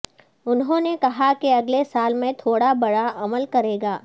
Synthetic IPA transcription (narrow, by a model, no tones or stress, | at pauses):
ʊnɦõːnekɐɦakeɐɡlesaːlmẽt̪ʰoːɽabɐɽaʔɐməlkɐɾeːɡaː